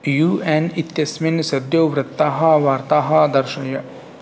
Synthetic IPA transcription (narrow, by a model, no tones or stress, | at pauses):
juːɛːnɪt̪jɐsmɪnsɐd̪joːʋɾɪt̪ːaːɦɐʋaːɾt̪aːɦɐd̪ɐɾʃɐjɐ